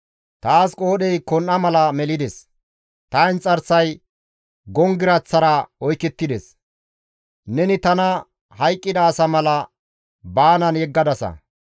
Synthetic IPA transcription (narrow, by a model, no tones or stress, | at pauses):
t̪aːskʼoːɗɛjkɔnʔːɐmɐlɐmɛlɪd̪ɛs | t̪ɐjnt͡sʼɐɾsɐj | ɡɔŋɡɪɾɐt͡sːɐɾɐɔjkːɛt̪ːɪd̪ɛs | nɛnɪt̪ɐnɐ | hɐjkʼːɪd̪ɐːsɐmɐlɐ | baːnɐnjɛɡːɐd̪ɐsɐ̰